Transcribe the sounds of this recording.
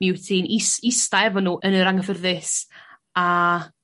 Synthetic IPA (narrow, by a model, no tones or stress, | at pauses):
ɪwtʰiːnɪsɪstaɛvɔnuːʔənəɾaŋəfərðɪs | a